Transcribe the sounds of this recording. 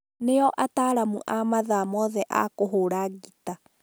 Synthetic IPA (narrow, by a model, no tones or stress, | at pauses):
neɔʔataːɾamṵʔamaðamɔðɛʔa̰koɦoːɾaɣita